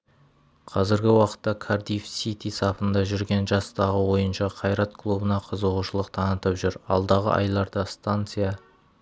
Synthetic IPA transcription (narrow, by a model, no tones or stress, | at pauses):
qʰɑzɪɾɡʲɪwɑqə̥t̪ːɑkʰard̪ijfsit̪isɑpənd̪ɑʒʏɾɡʲe̞nʒɑst̪ɑʁəwo̞jənʃɑqʰɑjɾɑt̪kʰlˠubənɑqʰəzəʁuʃəlˠəqt̪ʰɑnət̪əpʒʏɾɑ̰lˠd̪ɑʁə̰ʔɑ̰jlˠɑɾd̪ɑst̪ant̪sɨja